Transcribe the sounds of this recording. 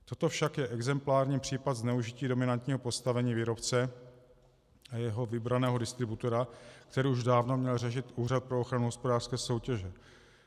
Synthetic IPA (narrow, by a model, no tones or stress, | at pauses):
t̪o̞t̪o̞fʃakjɛʔɛɡzɛmplaːɾɲiːpr̝̥iːpat̪znɛuʒɪciːdo̞mɪnant̪ɲiːɦo̞po̞st̪avɛɲiːviːɾo̞pt͡sɛ | ajɛɦo̞vɪbɾanɛːɦo̞dɪst̪ɾɪbut̪o̞ɾakt̪ɛɾiːuʒdaːvnomɲɛlrɛʃɪt̪uːrat̪̚pɾo̞oxɾanuɦospodaːr̥skɛːso̞wcɛʒɛ